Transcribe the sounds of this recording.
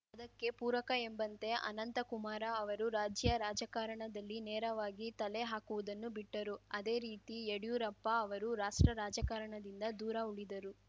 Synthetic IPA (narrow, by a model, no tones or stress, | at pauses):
ɐd̪ɐkːe̞puːɾɐkɐembɐnt̪e̞ʔɐ̰nɐnt̪ɐkumaːɾɐɐʋɐɾuɾaːd͡ʒjɐɾaːd͡ʒɐkaːɾɐɳɐd̪ɐlːinɛːɾɐʋaːɡit̪ɐleɦaːkuʋud̪ɐnːubiʈːɐɾuɐd̪e̞ːɾiːt̪ieɽijuɾɐpːɐːʋɐɾuɾaːʂʈɾɐɾaːd͡ʒɐkaːɾɐɳɐd̪ind̪ɐd̪uːɾɐuɭid̪ɐɾu